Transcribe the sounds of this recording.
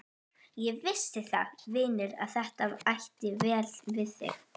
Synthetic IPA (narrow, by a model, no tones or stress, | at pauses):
jɛɣvɪst̪ɪθa̰vɪːnɪɾa̰ðθɛht̪avajht̪ɪvɛːlvɪðθɪ̰x